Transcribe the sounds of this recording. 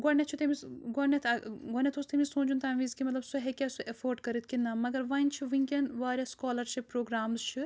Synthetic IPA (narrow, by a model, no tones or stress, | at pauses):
ɡɔnet͡ʃʰut̪emiɡɔnet̪ʰɐɡɔnet̪ʰoːst̪emisõːd͡ʒunt̪ɐːnʋiːzkimɐt̪lɐbsuɦekʲɛsuʔefoːɾɖkɐɾit̪̚ʰkinɐmɐɡɐɾʋɐnʲt͡ʃʰiʋĩŋkʲenʋaːɾʲɐskɔːlɐɾʃipːɾoːɡɾaːmzt͡ʃʰi